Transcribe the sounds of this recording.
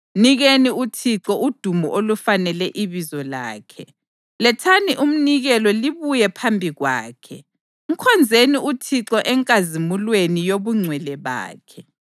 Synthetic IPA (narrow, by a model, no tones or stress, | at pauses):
niɣeniutʰiǁɔʔud̥ʱumɔ̰ʔolufanɛlɛʔiβizɔla̰ːkʰɛ | lɛtʰaniʔum̩niɣɛlɔliβujɛpʰambʱiɣwa̰ːkʰɛ | ŋ̩kʰɔnd͡zʱeniutʰiǁɔʔɛŋkʼazimulwenijoβuŋ͡ǀʱwɛlɛβa̰ːkʰɛ